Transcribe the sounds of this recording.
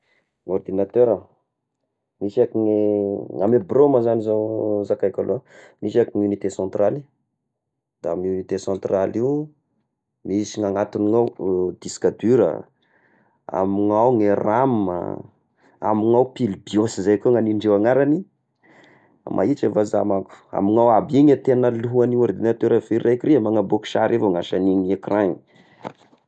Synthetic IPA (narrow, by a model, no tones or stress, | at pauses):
ŋord̪inat̪øɾə | misakiŋeŋamebroməzanizazakajkʲalʔomisakiŋunit̪esɑ̃nt̪rali̥ | d̪̥aamunit̪esɑ̃nt̪raliw | misiŋaŋat̪uniŋawd̪̥iskad̪yɾə̰ | a̰miŋawŋeramə̰ | amiŋawpilbiosizajkoŋaniɳɖ͡ʐewaŋaɾani | a̰mʔa̰it͡ʃavaza̰maku̥a̰miŋawabiŋat̪enəluɦuaniwaɾd̪enat̪eɾafiɾrekuɾiamaŋaboki̥ʃaɾevoŋaʃaninekraŋi